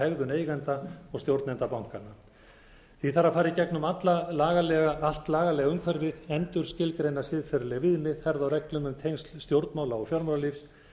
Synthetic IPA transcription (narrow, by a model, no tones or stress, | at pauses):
ɛɣðʏneːjɣant̪aɔɣst̪jowɾt̪nɛnt̪apawŋ̥kanːa | θiθaɾafaːɾicɛknʏmat̪lalaːɣalɛɣaʔal̥t̪laːɣalɛːɣaʏmkʰvœɾvɪðɛnt̪ʏɾ̥scɪlkɾejnasɪðfɛɾlɛɣvɪðnɪðhɛɾðawrɛklʏmʏmt̪ʰejnslst̪jowɾt̪nmaːwlaɔfjɔɾmaɾalifs